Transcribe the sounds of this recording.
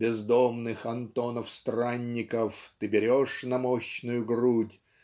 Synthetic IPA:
bʲɪzd̪omnɨxɐnt̪onəfst̪ranʲːɪkəft̪ɨbʲɪɾʲoʂnɐmoɕnʊjʊɡɾutʲ

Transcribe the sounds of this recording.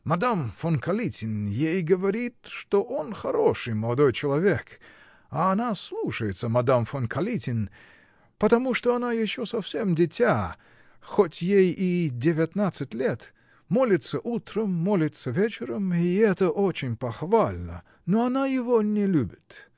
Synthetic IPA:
mɐd̪amfonkɐlʲitʲɪnjejɡəvɐɾʲit̪ʂt̪oʔo̞nxɐɾoʂɨjməlˠɐd̪o̞jt͡ɕɪlˠɐvʲek | aːnaslˠuʂəjɪt̪səmɐd̪amfonkʰɐlʲitʲɪn | pət̪ɐmuʂt̪oɐnajɪɕːosɐfsʲemdʲɪtʲa | xotʲjejidʲɪvʲɪt̪nat̪sɨtʲlʲet̪ | mo̞lʲɪt̪səʔut̪ɾəmːolʲɪt̪səvʲet͡ɕɪɾəmiɛt̪əʔot͡ɕɪnʲpɐxvalʲnə̰ | noɐnajɪvonʲɪlʲubʲɪt̪

